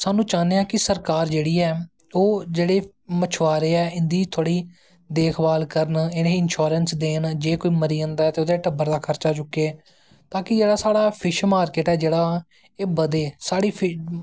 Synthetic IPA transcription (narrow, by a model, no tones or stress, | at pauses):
saːnũːt͡ʃaːneːãːkɪsəɾkaːɾd͡ʒeːɽiːɛː | oːd͡ʒeːɽeː | mət͡ʃʰʋaːɾeːɛːɪnd̪iːt̪ʰoːɽiː | d̪eːkʰbaːlkəɾənɪnẽːɪnʃoːɾənsd̪eːnd͡ʒeːkoːiːməɾiːə̃nd̪aːɛːt̪eːoːd̪eːʈəbəɾd̪aːkʰəɾt͡ʃaːt͡ʃʊkːeː | t̪aːkɪd͡ʒeːɽaːsaːɽaːpʰɪʃmaːɾkeːʈɛːd͡ʒeːɽaː | eːbəd̪eːsaːɽiːpʰɪ